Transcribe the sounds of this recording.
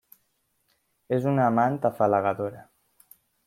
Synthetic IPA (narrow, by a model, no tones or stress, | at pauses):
ezunaːmant̪afalaɣaðoɾa